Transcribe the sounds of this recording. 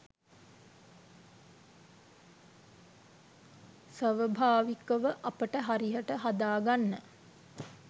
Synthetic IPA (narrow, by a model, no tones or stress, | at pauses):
sʋəʋəbʱaːʋikəʋəʔapəʈəɦaɾijəʈəɦad̪aːɡanːə